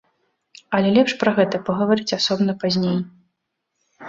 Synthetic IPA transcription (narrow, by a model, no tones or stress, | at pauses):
ɐlʲɛlʲɛpʂpɾɐɣɛt̪ɐpɐɣɐvaɾɨt͡sʲasɔbnɐpazʲnʲej